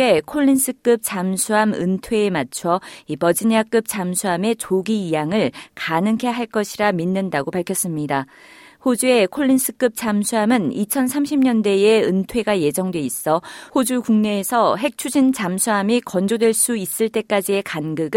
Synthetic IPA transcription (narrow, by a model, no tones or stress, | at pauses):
e̞kʰoʎːins͈ʰɯk͈ɯp̚t͡ɕ͈amsʰuɦamɯ̰ntʰwe̞ːmat͡ɕʰʌipʌd͡ʑiɲiak͈ɯp̚t͡ɕ͈amsʰuame̞t͡ɕoɡiijaŋɯɭkanɯŋkʰe̞ɦaɭk͈ʌɕʰiɾaminːɯndaɡopaɭkʰjʌs͈ɯmɲida | hod͡ʑue̞kʰoʎːins͈ʰɯ̥k͈ɯp̚t͡ɕ͈amsʰuɦamɯnit͡ɕʰʌnsʰamɕʰimɲʌndeeɯntʰwe̞ɡaje̞d͡ʑʌŋdwe̞is͈ʌhod͡ʑukuŋne̞ːsʰʌɦe̞k̚t͡ɕʰud͡ʑint͡ɕamsʰuɦamikʌnd͡ʑodwe̞ɭs͈uis͈ɯɭt͈e̞k͈ad͡ʑie̞kanɡɯɡɯ